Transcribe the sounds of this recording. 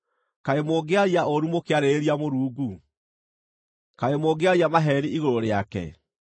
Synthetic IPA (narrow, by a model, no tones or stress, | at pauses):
kaemoːɡeaɾiaoɾumokeaɾeeɾiamoɾuːɡu | kaemoːɡeaɾiamaɦɛɾiʔiɣoɾoɾeakɛ̰